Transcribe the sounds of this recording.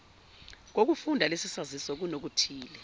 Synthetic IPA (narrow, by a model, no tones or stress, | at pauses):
k̬ok̬ufundʱalesisazisɔk̬unok̬utʰiːlɛ